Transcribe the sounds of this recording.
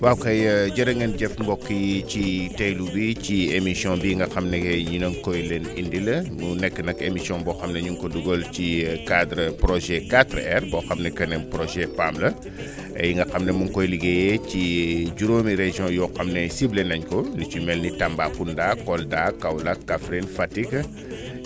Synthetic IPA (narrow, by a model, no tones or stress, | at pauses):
wawkɐjɟɐɾɐŋɡɐnɟɛfmbɔkːijicitejlubiciemisiɔ̃nbiŋɡɐxɐmnɛɡɛɲinɐŋkɔjlɛnindilɐmunɛkːənɐkemisiɔ̃nbɔxɐmnɐɲuŋkɔduɡolcikadɾəpɾoʒɛkatɾɛrbɔxɐmnɛkɐnɛnpɾɔʒɛpamlɐ | ɐ̰jiŋɡɐxɐmnɛmuŋkɔjliɡejɛciɟuɾomiɾeʒiɔ̃jɔxɐmnɛsiblɛnɐɲkɔndit͡ʃumɛlnitambakundakɔldakːawlakkːafɾinfatik